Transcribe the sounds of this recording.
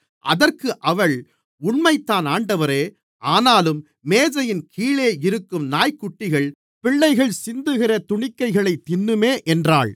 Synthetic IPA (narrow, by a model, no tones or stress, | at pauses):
ʔɐ̰ðɐrkɯʔɐʋɐɭ | ʊɳmɐɪt̪ːaːnaːɳɖɐʋɐɾeː | ʔaːnaːlɯmː | eːðɐjɪnkʰiːɭeːɪɾɯkːɯmnaːjkːʊʈːɪɣɐɭ | pɪɭːɐɪɣɐɭsɪnd̪ɯɣɪrɐt̪ʊɳɪkːɐɪɣɐɭɐɪt̪ːɪnːɯmeːʔɛndra̰ːɭ